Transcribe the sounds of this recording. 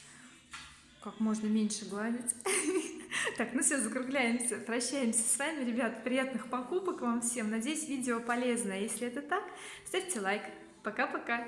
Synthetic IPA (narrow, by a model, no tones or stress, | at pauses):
kakmo̞ʐnəmʲenʲʂɨɡlˠavʲɪtʲ | t̪akmɨsʲazəkɾʊɡlʲæjɪmsʲəpɾɐɕːæjɪmsʲə̥svamʲɪɾʲɪbʲat̪ə̥pɾʲɪjat̪̚nɨxpɐkupəkvamfsʲe̞mnɐdʲejɪsʲvʲidʲɪopɐlʲe̞znəjəjesʲlʲɪɛt̪ət̪ak | st̪afʲtʲɪlˠajk | pɐkapɐka